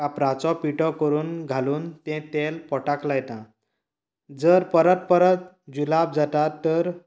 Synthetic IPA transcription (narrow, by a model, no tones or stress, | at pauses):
apɾãt͡sɔpiʈɔkəɾuːnɡʱaluːnt̪ɛ̃t̪elpɔʈaklajt̪ã | d͡zəɾpəɾət̪̚pəɾət̪̚ | d͡ʑulab̚d͡zat̪aɾt̪əɾ